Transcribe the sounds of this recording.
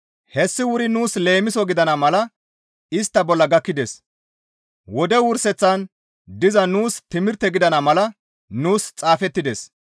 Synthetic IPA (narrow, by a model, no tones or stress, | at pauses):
hɛsːɪwʊɾɪnuːsle̞ːmɪsɔɡɪd̪ɐnɐmɐlɐ | ɪst̪ːɐbɔlːɐɡɐkːɪd̪es | wɔd̪ɛwʊɾsɛt͡sːɐn | d̪ɪzɐnuːst̪ɪmɪɾt̪ːɛɡɪd̪ɐnɐmɐlɐ | nuːst͡sʼaːfɛt̪ːɪd̪es